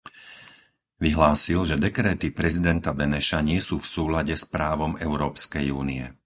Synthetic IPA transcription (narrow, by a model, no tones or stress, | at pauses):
ʋiɦlaːsilʒɛd̪ɛkɾɛːt̪ipɾɛzid̪ɛnt̪abɛnɛʃaɲɪɛsuːfsuːlaɟɛspɾaːʋɔmɛʊɾɔːpskɛjuːniɛ̰